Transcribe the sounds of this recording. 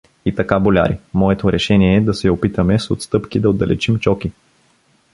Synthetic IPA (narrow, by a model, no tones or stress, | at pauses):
it̪ɐkabolʲa̰ɾḭmɔɛt̪oɾɛʃɛniɛːd̪ɐsɛopit̪əmɛsot̪st̪ɤpkid̪ɐod̪ɐlɛ̰t͡ʃimt͡ʃɔki